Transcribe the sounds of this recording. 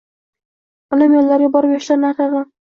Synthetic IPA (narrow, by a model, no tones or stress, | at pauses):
ɪlɪmjolːaɾɡjɪbɒɾɪpjɒʃlaɾnaqɪʁɑ